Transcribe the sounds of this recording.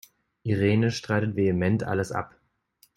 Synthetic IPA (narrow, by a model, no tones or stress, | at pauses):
ʔiʁeːnəʃtʁ̥aɪtətv̥eəmɛntʔa̰ləsʔa̰p